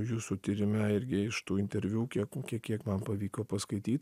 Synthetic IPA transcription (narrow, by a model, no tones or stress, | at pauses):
juːsut̪ʲiːɾʲɪmʲæɪɾʲɡʲɪɪʃt̪uːɪnʲt̪ʲɛɾʲʋʲuːkʲiɛkkʲiɛkʲiɛkmɐnpɐʋʲiːkoːpɐskɐɪt̪ʲiːt̪